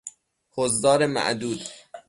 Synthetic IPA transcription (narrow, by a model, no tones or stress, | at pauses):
hozd̪ɒːɾemæ̰ʔd̪uːd̪